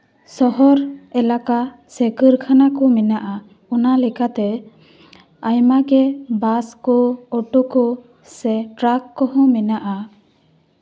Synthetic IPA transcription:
sɔɦɔɾɛlaka | sɛkɯɾkʰanakɔmɛnaʔa | ɔnalɛkat̪ɛ | ajmaɡɛbaskɔɔʈɔkɔ | sɛʈɾakːɔɦɔ̃mɛnaʔa

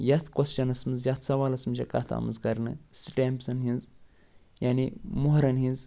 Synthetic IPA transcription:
jat̪ʰkɔst͡ʃɐnɐsmɨzjat̪ʰsɐʋaːlɐsmɨʃʲɐka̰t̪ʰa̰mɨzkɐɾnɨ̰sʈempzɐnɦinz | janimoɦɾɐnɦinz

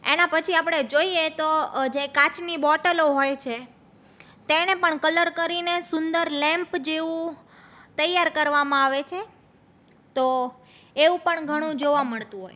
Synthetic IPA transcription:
ḛnãpət͡ʃʰiapɽ̃ed͡ʒoiet̪od͡ʒekat͡ʃnibɔʈəloɦojt͡ʃʰe | t̪enepəɳkələɾkəɾinesʊnd̪əɾlɛ̃mpd͡ʒeʋũ | t̪əjːaɾkəɾʋamãaʋet͡ʃʰe | t̪o | eʋũpəɳɡʱəɽ̃ũd͡ʒoʋaməɭt̪ũɦo̰j

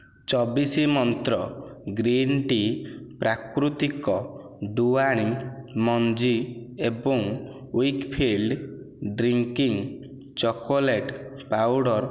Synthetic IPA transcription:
t͡ʃɔbisimɔnt̪ɾɔɡɾinʈipɾakɾut̪ikɔ | ɖuaɽ̃immɔnd͡ʒiebɔŋ | wjkpʰilɖ | ɖɾiŋkiŋ | t͡ʃɔkɔleʈ | pawɽɔɾ

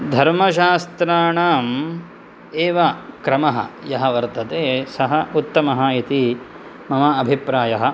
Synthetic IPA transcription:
d̪ʱɐɾmɐʃ̬aːst̪ɾaːɳaːm | eːʋɐkɾɐmɐɦɐ̰jɐɦɐʋɐɾt̪ɐt̪eːsɐɦɐut̪ːɐmɐɦɐit̪i | mɐmɐɐbʱipɾaːjɐɦɐ̆

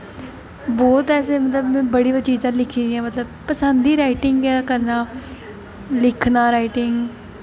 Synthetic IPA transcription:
bɔːt̪ɛːseːmət̪ləbmɛ̃ːbəɽiːbət͡ʃiːzãːlɪkʰiːd̪ĩãːmət̪ləbpəsə̃nd̪iːɾaːɪʈɪŋɡɛːkəɾnaː | lɪkʰnãːɾaːiʈɪŋɡ

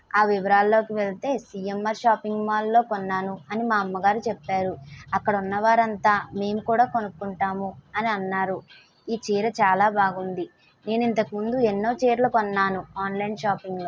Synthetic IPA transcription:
aːʋiʋɐɾaːlːo̞ːkiʋeɭt̪e̞ːsijemːɐɾʃaːpiŋɡmaːlːo̞ːkonːaːnuɐnimaːɐmːɐɡaːɾit͡ʃɛpːaːɾuɐkːɐɽɐunːɐʋaːɾɐnt̪aːme̞ːmukuːɽaːko̞nukːuɳʈaːmuɐniɐnːaːɾu | iːt͡ʃiːɾɐt͡ʃaːlaːbʱaːɡund̪i | ne̞ːnint̪ɐkimund̪uenːo̞ːt͡ʃɛːɾlɐkonːaːnuaːnlɐjnʃaːpiŋɡlo̞ː

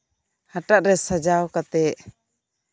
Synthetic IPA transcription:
haʈaʔɾɛsad͡ʒawkat̪ɛʔ

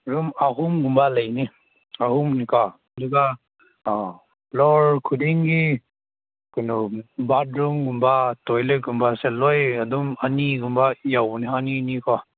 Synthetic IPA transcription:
ɾumaɦumɡumbalajni | aɦumnikɔ | ɐduɡa | blɔɾkʰudiŋɡi | kunubatɾumɡumbatojlɯɡumbaselojadumaniɡumbajawniɦaninikɔ

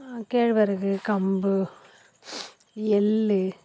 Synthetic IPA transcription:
keːɻʋɐɾɯɣɯkɐmbɯ | ɛlːɯ

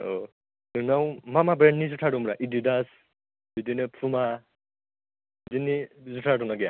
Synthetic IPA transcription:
o | dɯnawmamabɾenːizutʰaɾumɾaʔididas | bidinɯpʰuma | bidinːizutʰadunaɡija

